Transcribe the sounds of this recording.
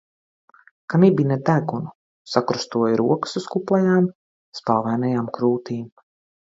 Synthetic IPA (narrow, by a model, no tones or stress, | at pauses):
kanibinɛd̪æɡunu | sakɾust̪uɔjɾuɔkə̥suskuplˠɛjaːm | spalˠvajnajaːmkɾuːt̪iːm